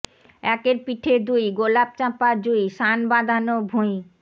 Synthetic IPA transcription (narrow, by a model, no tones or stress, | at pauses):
ɛkeɾpiʈʰed̪ujɡolab̚t͡ɕapaɾd͡ʑujʃanbad̪ʱanobʱuj